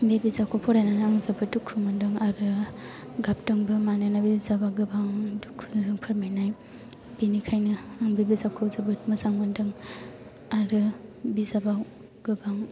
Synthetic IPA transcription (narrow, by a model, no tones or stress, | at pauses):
bebizakʰopʰɔɾajnanaŋzɐbɐdukʰumɐndɯŋaɾɯ | ɡap̚tɐŋbɐmanɯnabizabaɡɯbaŋdukʰuzuŋpʰɐɾmajnaj | b̥inikʰajnɐːŋbebizakʰozɐbɯt̚mɐzaŋmɐndɯŋ | aɾɯbizabaw | ɡ̥ɯbaŋ